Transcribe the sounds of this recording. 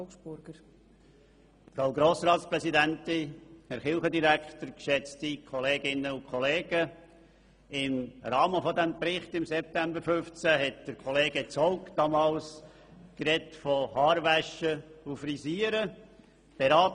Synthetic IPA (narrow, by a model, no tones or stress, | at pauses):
sb̥ʊɾɡ̥əɾ | fɾaʊɡɾoːsrɑːtspɾɛsidæntɪæɾχɪlˠχədiɾæktəɾkʃɛt͡stikʰɔleːɡɪnːəʊkʰɔleːɡ̥ə | ɪmɾɑːməfɔdɛmpɾɪχtɪmsɛp̚tæmbəɾfʏft͡sæɦɛt̚d̥əɾkʰɔleːɡət͡sɔʊkd̥ɑmɑːls | kɾɛtfɔhɑːɾvæʃəufriziːəɾə | b̥eɾɑːt